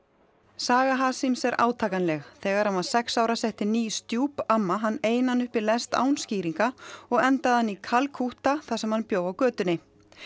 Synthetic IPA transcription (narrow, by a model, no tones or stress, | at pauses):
saːɣaɦaːsimsɛɾʔa̰ːwt̪ʰaːkanlɛɣθɛːɣaɾanvansɛksaːwɾasɛht̪ɪniːst̪juːpamːaɦanːeːjnanʏhpilɛst̪a̰ːwnsciːɾiŋkaɔɣɛnt̪aðhanːikʰalkʰuht̪aθasɛmhanpjoːwɣawkœːt̪ʏnɪ